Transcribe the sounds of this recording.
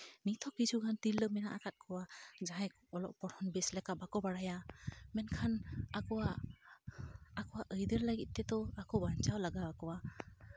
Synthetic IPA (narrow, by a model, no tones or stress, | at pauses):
nit̪ʰɔkid͡ʒʰuɡant̪ilːəmɛna̰ʔakat̪̚kʰɔwad͡ʒaɦaj | ɔlɔ̰ʔpɔɽhɔnbɛslɛkabakɔbaɽajamɛnkʰanakɔwa | kɔwaʔəjd̪əɾlaɡit̪̚ˀt̪ɛt̪ɔakɔbant͡ʃawlaɡawakɔwa